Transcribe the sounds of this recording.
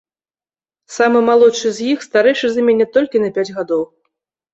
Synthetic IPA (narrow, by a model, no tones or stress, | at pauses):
samɨmalˠɔtʂɨzʲjixst̪aɾɛjʂɨzamʲenʲɛt̪ɔlʲkʲinɐpʲad͡zʲɣad̪ɔw